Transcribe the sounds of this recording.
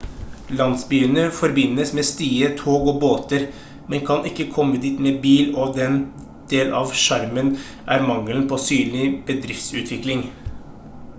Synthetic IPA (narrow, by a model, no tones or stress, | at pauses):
lɑnsbyːənəfɔɾbɪnːəsmɛːst̪iːət̪ʰoːɡɔːboːt̪əɾ | mɛnkʰɑnɪkːəkʰɔmːəd̪iːt̪mebiːlɔd̪ɛn | d̪̥eːlʔɑʋʃæɾmən | ʔæɾmɑŋːəlnpʰɔsyːnlɪb̥əd̪ɾɪft̪sʉ̰ːt̪ʰʋɪklɪŋ